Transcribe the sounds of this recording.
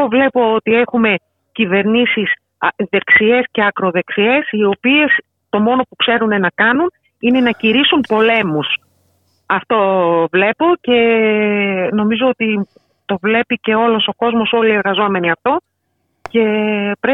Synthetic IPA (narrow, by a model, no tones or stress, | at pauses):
ovle̞po̞ot̪ie̞xume̞ | cive̞ɾnisis | ðe̞ksie̞sce̞ɐkɾo̞ðe̞ksie̞sio̞pie̞s | t̪o̞mo̞no̞pukse̞ɾunenɐkɐnun | ine̞nɐciɾisunpo̞le̞mus | ɐft̪o̞vle̞po̞ce̞ | no̞mizo̞ot̪i | t̪o̞vle̞pice̞o̞lo̞so̞ko̞zmo̞so̞lie̞ɾɣɐzo̞me̞niɐft̪o̞ | ce̞pɾe